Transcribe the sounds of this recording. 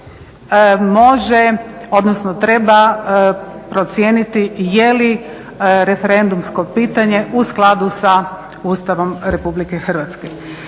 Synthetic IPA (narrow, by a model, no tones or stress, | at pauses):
mo̞ʒeo̞d̪nosnot̪ɾe̞ba | pɾot̪sjeːnit̪ijeli | ɾe̞feɾe̞nd̪umsko̞piːt̪aɲe̞ʔusklˠad̪usa | uːst̪aʋo̞mɾe̞publike̞xr̩ʋat̪ske